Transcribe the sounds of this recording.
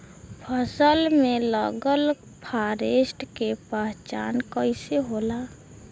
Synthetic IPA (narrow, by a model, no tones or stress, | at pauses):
pʰəsəlmẽləɡəl | pʰaːɾeːsʈkepɛɦt͡ʃa̰ːnkəɪseɦoːlaː